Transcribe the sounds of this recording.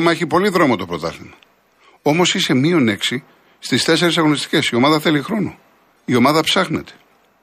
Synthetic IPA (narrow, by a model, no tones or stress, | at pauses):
mɐe̞çipo̞liðɾo̞mot̪o̞pɾo̞t̪ɐ̰limɐ | o̞mo̞sise̞mio̞ne̞ksi | st̪ist̪e̞s̬e̞ɾesɐɣo̞nist̪i̥ce̞sio̞mɐðɐθe̞lixɾo̞no̰ | io̞mɐðɐpsɐxne̞t̪e̥